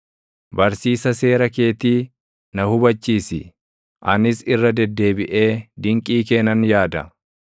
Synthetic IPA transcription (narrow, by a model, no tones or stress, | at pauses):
bɐɾsiːsɐse̞ːɾɐke̞ːt̪iː | nɐhʊbɐt͡ʃːiːsɪ̰ | ʔɐnɪsɪrːɐd̪ɛd̪ːe̞ːbɪʔe̞ːd̪ɪŋkʼiːk̬eːnɐnjaːd̪ɐ